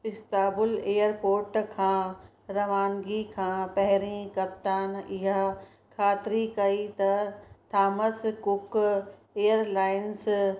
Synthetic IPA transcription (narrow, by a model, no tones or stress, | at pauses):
pɪst̪aːbʊleːjəɾpoːɾʈkʰãː | ɾɐʋaːnɡikʰãːpɛɦɾĩkɐp̚t̪aːnɪɦa | kʰaːt̪ɾikɐit̪ɐt̪ʰaːməskʊk | ejəɾlaːɪns